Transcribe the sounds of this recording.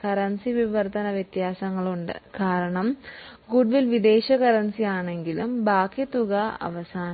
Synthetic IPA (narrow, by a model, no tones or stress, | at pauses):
kɐɾɐnsiʋiʋɐrt̪ɐnɐʋjɐt̪jaːsɐŋːɐɭuɳɖɨ̰kaːɾɐɳɐm | ɡuɖʋilʋid̪e̞ːɕɐkɐɾɐnsijaːɳe̞ŋɡilumbaːkːit̪uɣɐɐ̰ʋɐsaːn